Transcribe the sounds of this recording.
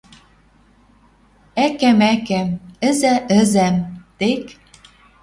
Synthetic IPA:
ækæmækæmɘ̆zæʔɘ̆zæmt̪ek

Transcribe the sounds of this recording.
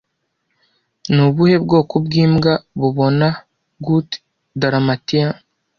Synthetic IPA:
nuβuhe̞bɡo̞ːkobɡiːmɡaβuβo̞na | ɡut | daɾamatia

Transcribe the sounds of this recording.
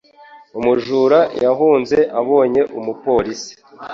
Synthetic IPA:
umuʒuːɾajaɦuːnze̞ʔaβo̞ːɲe̞ʔumupo̞ɾisi̥

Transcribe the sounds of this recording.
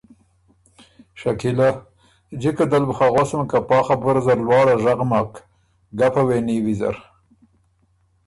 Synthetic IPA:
ʃakila | d͡ʒikad̪albuxaɣosmkapɑːxabʊɾzaɾlwɑːɽaʐaɣmɑk | ɡapaweniwiza̰ɾ

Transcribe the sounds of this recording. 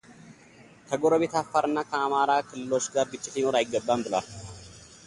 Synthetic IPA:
kʰəɡoɾəβe̞t̪afːaɾɨnːakʰəamaɾakʰɨlːɨlo̞t͡ʃːɡaɾbɨt͡ʃːɪsinoɾajɪɡːəbːambɨlwal

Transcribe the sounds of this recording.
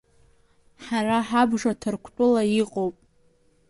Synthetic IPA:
ħaraħabʐatʰɨrkʷʰt͡pʼʊlaiqʼowpʼ

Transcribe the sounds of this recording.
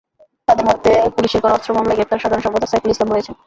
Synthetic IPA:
t̪ad̪eɾmod̪ʱːepuliʃeɾkɔɾɔst̪ɾomamlaeɡɾep̚t̪aɾʃad̪ʱaɾonʃɔbot̪ːasapulislabɦojet͡ɕʰen

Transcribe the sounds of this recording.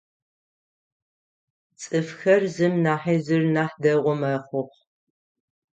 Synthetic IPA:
t͡sʼɨfxɐrzɨmnaːħiːzɨrnaːħdɐʁʷɔmɐχʷʊχ

